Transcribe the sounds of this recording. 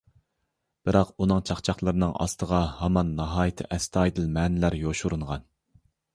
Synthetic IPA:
b̥ɨɾɑqunɨŋt͡ʃʰɑχt͡ʃʰɑχlˠəɾɨnɨŋɑ̰st̪əʁɑhɑmɑnːɑɦɑːjɪt̪ʰɪ̰ʔɛst̪ʰɑːjd̪ɨlmɛːnɪlæɾjoʃuɾuɴʁɑn

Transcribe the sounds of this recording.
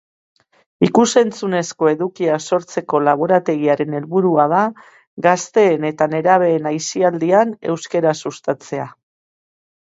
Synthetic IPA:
ikuse̞nt͡sune̞sko̞e̞ðukiaso̞ɾt͡se̞ko̞laβ̞o̞ɾat̪e̞ɣiaɾe̞ne̞lβuɾuað̞a | ɡast̪e̞ːne̞t̪ane̞ɾaβ̞e̞ːnajsiald̪iane̞wske̞ɾasust̪at͡se̞a

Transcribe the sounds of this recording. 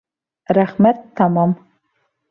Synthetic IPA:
raχmɛttʰːamam

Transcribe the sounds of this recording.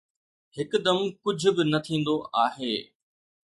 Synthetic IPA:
hɪkd̪ɐmkʊd͡ʑʱʊ̆bɪnɐt̪ʰĩːn̆d̪oʔaːɦeː

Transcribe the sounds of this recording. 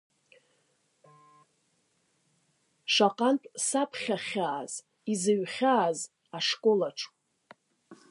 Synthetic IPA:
ʂaqʼantʼsapʰχʲaχʲaːz̥ | izɨɥχʲaːz | aʂkʼo̞laʈ͡ʂʰʼ

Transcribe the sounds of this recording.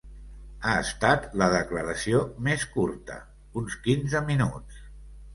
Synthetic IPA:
aəst̪at̪ləðəkləɾəsiomeskuɾt̪ə̰ | unskinzəminut͡s

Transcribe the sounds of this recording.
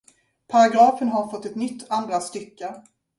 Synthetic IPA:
pʰaɾaɡɾɑːfənɦaɾfɔt̪ːɛt̪nʏt̪ːand̪ɾast̪ʏkːə

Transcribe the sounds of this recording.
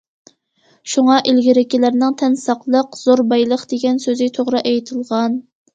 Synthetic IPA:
ʃuŋɑʔilɡʲiɾɪkʲilæɾnɪŋt̪ʰɛnsɑqlˠəqz̥oɾbɑjlˠəqd̪̥eɡʲɛnsøzɪt̪ʰoʁɾɨʔɛjt̪ʰɨlˠʁɑn

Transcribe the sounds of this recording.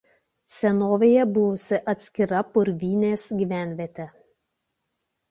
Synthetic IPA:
sʲɛnoːʋʲeːjɛbʊʋʊsʲɪʔɐt̪ʲsʲkʲɪɾɐpʊɾʲʋʲiːnʲeːsɡʲiːʋʲæˑnʲʋʲeːt̪ʲɛ

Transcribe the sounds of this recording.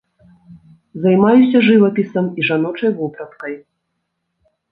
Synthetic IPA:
zajmajusʲɐʐɨvɐpʲisɐmiʐanɔt͡ʂɐjvupɾɐt̪kɐj

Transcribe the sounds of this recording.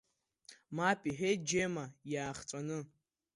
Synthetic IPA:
mapʼiħed͡ʒeːmajaːχt͡sʼanɨ

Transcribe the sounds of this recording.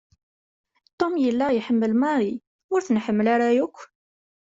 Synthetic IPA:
t̪ˤːomjəlːajħəmːəlmɑɾˤi | ʊɾθnħəmːəlaɾajʊkʷː

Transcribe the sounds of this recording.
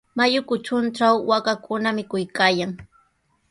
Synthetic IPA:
majʊkʊt͡ʃʊnʈ͡ʂawːakakʊnamɪkʊjkaːjaŋ

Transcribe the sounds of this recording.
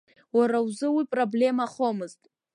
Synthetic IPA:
waɾawzɨwipʼroble̞maχo̞mɨztʼ

